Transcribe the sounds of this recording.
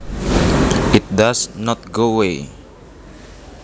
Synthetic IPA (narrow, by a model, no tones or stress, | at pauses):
ɪt̪̚d̪asnɔt̪̚ɡowe